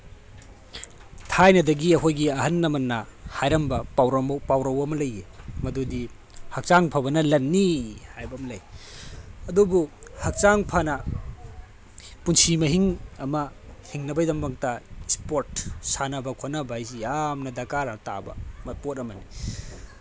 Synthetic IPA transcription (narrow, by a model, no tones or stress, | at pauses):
tʰajnɐdɐɡiɐkʰojɡiɐɦɐnːɐmɐnːɐhajɾɐmbɐpawɾɐmpawɾɐwɐmɐlɐjemɐdudi | hɐk̚t͡ʃaŋpʰɐbɐnɐlɐnːihajbɐmlɐj | ɐdubuhɐk̚t͡ʃaŋpʰɐnɐ | punsimɐɦiŋɐmɐhiŋnɐbɐjdɐmbɐŋtɐispoɾtsanɐbɐkʰonɐbajsijamnɐdakaɾɐta̰bɐ̰mɐpot̚ɐmɐni